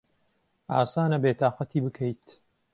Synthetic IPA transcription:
a̰ːsaːnɐbeːt̪ʰaːqɑt̪ʰiːbɨkʰəjt̪

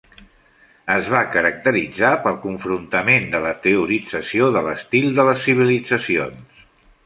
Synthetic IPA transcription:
əzβakəɾək̚t̪əɾid͡zapəlˠkuɱfɾunt̪əmend̪ələt̪əuɾid͡zəsioðələst̪ilˠd̪ələsːiβ̞ilid͡zəsions

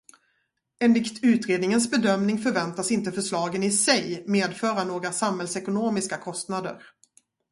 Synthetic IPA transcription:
ɛnlɪkt̪ʉ̟ːt̪ɾeːd̪nɪŋənsbɛd̪œmnɪŋfœɾvɛnt̪asɪnt̪əfœʂɭɑːɡənɪsɛjmeːd̪fœːɾanoːɡɾasamhɛlsɛkʊnoːmɪskakʰɔst̪nad̪ə̰ɾ

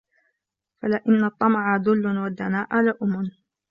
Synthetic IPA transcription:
falɪʔɪnːɑt̪ˤːɑmʕad̪ʊlːʊnwad̪ːanaːʔalaʔʊmʊn

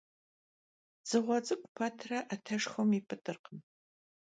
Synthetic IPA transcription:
z̥ɨʁʷɔt͡sʼɨkʷʼʊpʰɐtʰrɐʔatʰɐʂxɐmipʰʼɨtʼɨrqən

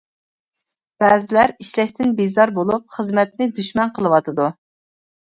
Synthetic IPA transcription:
b̥æːzɪlæɾiʃlɛʃt̪ʰɪnbezɑɾbolˠup̚χəzmɛt̪̚nɪd̪yʃmɛnqʰəlˠɨwɑt̪ʰɨd̪u

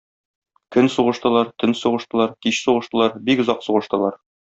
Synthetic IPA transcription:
kɵnsuʁɤ̆ʃt̪ɤ̆lˠɑɾt̪ɘnsuʁɤ̆ʃt̪ɤ̆lˠɑɾkiɕsuʁɤ̆ʃt̪ɤ̆lˠɑɾbikɵ̆zɑqsuʁɤ̆ʃt̪ɤ̆lˠɑɾ

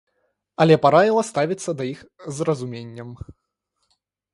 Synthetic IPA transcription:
ɐlʲɛpaɾavʲilˠɐst̪avʲit̪sːɐd̪ɐjixzrɐzumʲenʲːɐm

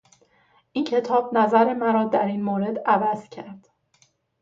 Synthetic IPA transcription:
ʔiːncʰe̞t̪ʰɒːbnæzæɾe̞mæɾɒːd̪æɾiːnmoːɾe̞d̪ævæz̥cʰæɾd̪̥

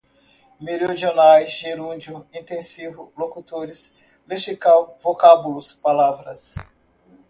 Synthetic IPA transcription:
meɾiod͡ʒionajzʒeɾũd͡ʒʊĩt̪ẽsivʊlokut̪oɾɪs | leʃikawvokabulʊspalavɾɐs

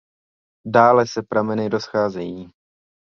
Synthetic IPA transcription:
daːlɛsɛpɾamɛnɪɾo̞sxaːzɛjiː

